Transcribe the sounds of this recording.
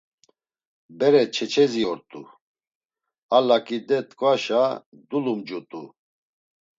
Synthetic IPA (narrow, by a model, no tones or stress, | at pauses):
bɛɾɛt͡ʃʰɛt͡ʃʰɛziɔɾt̪ʼṵ | alakʼid̪ɛt̪ʼkʼvaʃa | d̪ulumd͡ʒut̪ʼṵ